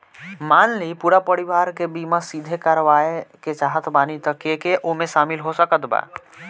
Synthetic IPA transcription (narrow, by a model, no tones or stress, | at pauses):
maːnlipuɾapəɾiʋaːɾkebimasid̪ʱekaɾʋaeket͡ʃaːɦət̪baːnit̪əkekeʔomẽʃaːmilɦosəkət̪ba̰ː